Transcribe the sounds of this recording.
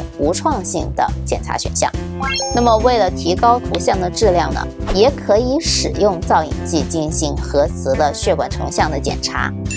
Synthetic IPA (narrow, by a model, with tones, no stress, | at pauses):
u˧˥ʈ͡ʂʰwɑ˥˧ŋɕi˥˩ŋd̪ə̰˩t͡ɕjɛ̰˨˩nʈ͡ʂʰa̰˧˥ɕɥɛ̰˨˩nɕjɑ̰˥˩ŋ | na˥˩mə˩we˥˩ɪlə˩t̪ʰi˧˥kɑ˥ʊt̪ʰu˧˥ɕjɑ˥˩ŋd̪ə˩ʈ͡ʂɻ̩˥˧ljɑ̰˥˩ŋnə̰˩jɛ˧˩kʰɤ˧˥i˧˥ʂɻ̩˨˩jʊ˥˧ŋt͡sɑ˥˩ʊḭ˨˩ŋt͡ɕi˥˧t͡ɕi˥˧nɕi˧˥ŋxɤ˧˥t͡sʰɹ̩˧˥d̪ə˧ɕɥɛ˥˩kwa˨˩nʈ͡ʂʰɤ̰˧˥ŋɕjɑ˥˩ŋd̪ə˩t͡ɕjɛ̰˨˩nʈ͡ʂʰa̰˧˥